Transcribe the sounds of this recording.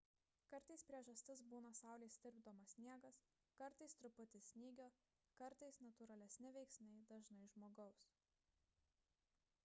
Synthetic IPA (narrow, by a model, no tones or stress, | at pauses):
kɐɾt̪ɐɪspʲɾʲiɛʒɐsʲt̪ʲɪs̬buːnɐsɑˑʊlʲeɪsʲd̪ʲɪɾʲbd̪oːmɐsʲnʲiɛɡɐs | kɐɾt̪ɐɪst̪ɾʊpʊt̪ʲɪsʲnʲiːɡʲoː | kɐɾt̪ɐɪsnɐt̪ʊɾɐlʲɛsʲnʲɪʋʲɛɪksʲmʲɛɪd̪ɐʒnɐɪʒmoːɡɐʊs